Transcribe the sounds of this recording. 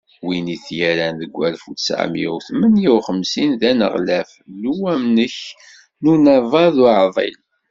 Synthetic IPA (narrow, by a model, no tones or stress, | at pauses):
winiθjæɾænðəɡʷːælfusʕa̰mḭṵwθmənjiwχəmsinðænə̰ʁlæfluwæmnəç | nunævɑðuʕðˤḭl